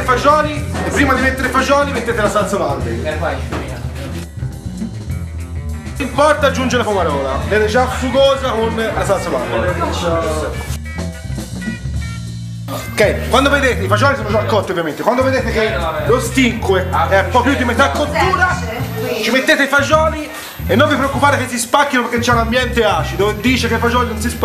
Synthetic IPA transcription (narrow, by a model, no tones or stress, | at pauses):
fad͡ʒɔːniepːɾiːmad̪imet̪ːeɾefad͡ʒɔːnimet̪ːeːt̪elasalt̪savand̪e | impɔrt̪ad͡ʒːund͡ʒelafumaɾɔːlavɛːd̪ed͡ʒafuɡoːzakonlasalt̪savand̪e | okɛjkwand̪oved̪eːt̪eifaʒɔːnisoad͡ʒɔnakːɔt̪ːiovjament̪ekwand̪oved̪eːt̪ek̟elost̪iŋkweɛmpɔpːjud̪imet̪akːot̪ːuːɾat͡ʃimet̪ːeːt̪eifad͡ʒɔːni | enːoɱvipɾeokːupaːɾekesːispakːinopeɾkːet͡ʃːɛunambjɛnt̪eaːt͡ʃid̪od̪iːt͡ʃekeifad͡ʒɔːninõnsisp